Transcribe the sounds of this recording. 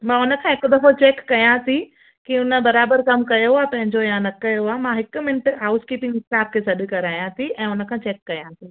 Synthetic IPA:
mãːʊnə̆kʰãːɦeːkod̪ɐfot͡ɕeːkːɐjãsĩ | kiʊnə̆bɐɾaːbəɾkɐmkɐjoaːpɐ̃ɦɪ̃ɲd͡ʑojãnɐkɐjoaːmãɦɪkʊmɪnəʈɦaːʊskiːpɪ̃ŋɡɪsaːb̚kʰeːsɐɗ̆kɐɾaːjãsiɛ̃ːʊnə̆kʰãːt͡ɕeːkːɐjãːsĩː

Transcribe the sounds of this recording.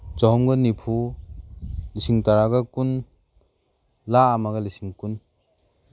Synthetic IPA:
t͡ʃɔɦɔmɡɯnipʰu | lisiŋtaɾaɡakun | laːmaɡalisiŋkun

